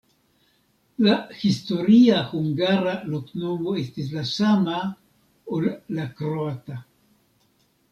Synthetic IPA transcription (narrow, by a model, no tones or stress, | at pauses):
lahisto̞ɾiahuŋɡaɾalokno̞moestis̬lasama | olːakɾoata